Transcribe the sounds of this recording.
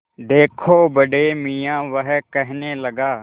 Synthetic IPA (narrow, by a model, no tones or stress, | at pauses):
d̪eːkʰoːbəɖeːmijãːʋəɦkəɦneləɡaː